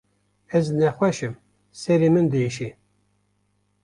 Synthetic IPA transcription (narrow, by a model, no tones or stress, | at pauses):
ɛznɛxʷɛʃɨm | sɛɾimɨnd̪ɨiʃi